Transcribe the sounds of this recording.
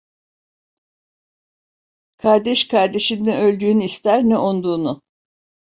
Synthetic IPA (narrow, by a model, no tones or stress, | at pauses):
kʰaɾd̪ɛʃkʰaɾd̪e̞ʃinːiø̞lʲd̪yːnyist̪ʰæɾnɛʔond̪uːnʊ